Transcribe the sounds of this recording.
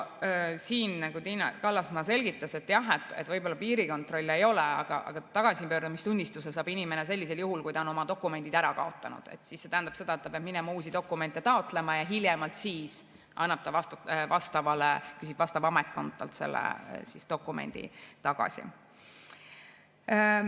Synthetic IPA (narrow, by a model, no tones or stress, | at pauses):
siːnnɑɡut̪inɑ̰kɑlːɑsmɑse̞lɡ̥it̪ːˑɑse̞t̪ːjɑɦe̞t̪ːˑḛt̪ːvɤjbolːɑpiːɾiko̞nt̪ro̞lʲːe̞jo̞leɑ̰ɡ̥ɑ̰ʔɑ̰ɡ̥ɑt̪ːɑɡ̥ɑsipøːɾd̪̥umist̪unʲd̪ist̪usesɑːb̥inimenes̬e̞lʲːise̞ljuɦulkujt̪ɑono̞mɑd̪o̞kːˑume̞nʲd̪̥id̪̥æɾɑkɑ̰o̞t̪ˑːɑnṵd̪̥ḛt̪sisːe̞t̪æɦænd̪ɑb̥se̞d̪̥ɑet̪ːɑpeɑbminɛmɑuːsid̪̥o̞kːˑume̞nt̪ːet̪ɑo̞t̪ːˑle̞mɑjɑɦiljɛmɑlt̪siːs | ʔɑ̰nːɑb̥̚t̪ɑvɑst̪vɑst̪ɑvɑlekys̬ib̥vɑst̪ɑvɑmet̪̚ko̞nt̪ːˑɑ̰lt̪se̞̰lːḛsist̪o̞kːˑumḛnʲd̪̥ḭt̪ɑɡ̥ɑ̰sḭ